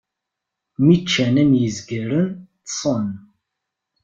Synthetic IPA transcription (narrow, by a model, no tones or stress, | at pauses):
mit͡ʃːænæmjəzɡəɾənt̪sˤən